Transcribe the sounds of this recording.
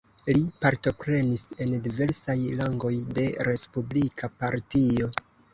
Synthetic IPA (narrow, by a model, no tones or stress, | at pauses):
lipaɾto̞pɾe̞nise̞ndive̞ɾsajlaŋɡo̞jde̞ɾe̞spublikʰapaɾtio̞